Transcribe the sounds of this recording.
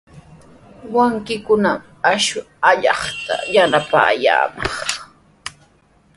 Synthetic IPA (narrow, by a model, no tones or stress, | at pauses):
waŋkɪkʊnam | aʃʊ | aʎɑχt̪a̰janapa̰ːja̰ːmɑχ